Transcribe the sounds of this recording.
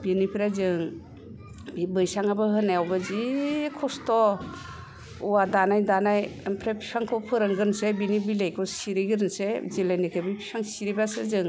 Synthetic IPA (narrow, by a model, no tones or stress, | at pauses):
binipʰiɾazɯŋ | bibɯjsaŋabahɯnajawbazikʰɔstɔ | uwadanajdanajampʰɾepʰi̥saŋkʰɔpʰɯɾɯŋɡɯnsebinibilejkʰɔsiɾiɡɯɾɯnsezilajnikʰɯbipʰi̥saŋsiɾibasḛzɯŋ